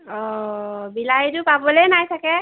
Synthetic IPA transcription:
ɔbilajtʊpabɔlɛnajsʰakɛ

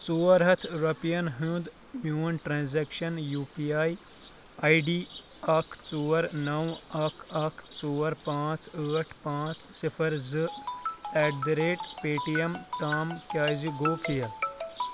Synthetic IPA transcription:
t͡soːɾɦɐt̪ʰjuɾɐpijɐnɦũd̪ | mjuːnʈɾãːnzɛːkʃɐnjuːpiaːj | ɐjɖiː | ɐkʰt͡soːɐɾnɐwɐkʰɐkʰt͡soːɾpãːt͡səːʈʰpãːt͡ssifʰɐɾzɨ | ɛːɖd̪ɾeːʈpeːʈijɐmt̪aːmkjaːziɡoːpijɐ

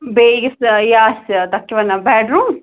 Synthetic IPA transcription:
beːɡɐsjaːst̪ɐkːiʋɐnːɐbɛːɖɾuːm

